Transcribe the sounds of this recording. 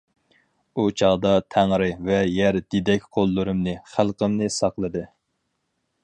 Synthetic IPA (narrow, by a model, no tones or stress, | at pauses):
ut͡ʃʰɑʁd̪ɑt̪ʰæŋɾɨvɛjɛɾd̪̥ed̪ɛkʲqʰolˠːɨɾɨmnɨχælˠqəmnɨsɑqlˠɨd̪ɨ